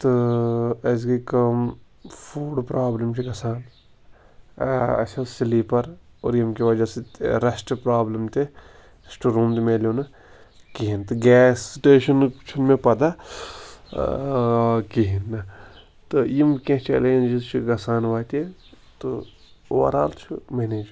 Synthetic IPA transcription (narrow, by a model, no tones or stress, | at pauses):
t̪o | ɐs̬kikɐm | fʰuːɖpɾʔaːblɐmt͡ʃʰiɡɐsaːn | ɐ̰sʰɐsliːpɐɾo̰ːɾjimkiʋɐd͡ʒaseɾɐsʈpɾaːblɐmt̪e | sʈuɾũːmt̪meːljoːnɐ | kiɦint̪ɐɡɛːsːiʈeːʃɐnt͡ʃʰunmẽpɐd̪a | kiɦinːɐ | t̪ojimkẽt͡ʃɛ̰ːleːnʲd͡ʒizt͡ʃʰuɡɐsaːnʋaːt̪e | t̪o | ʋɐ̰ɾa̰ːlt͡ʃʰumeːneːd͡ʒ